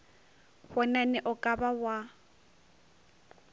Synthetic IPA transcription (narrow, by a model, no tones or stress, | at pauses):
hɔnanɛʔʊkʼabawa